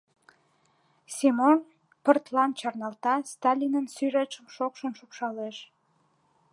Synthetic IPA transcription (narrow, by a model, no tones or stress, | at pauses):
simon | pərt̪lɑnt͡ɕɑrnɑlt̪ɑst̪ɑlʲinənsyɾet͡ʃəmʃokʃənʃukʃɑleʃ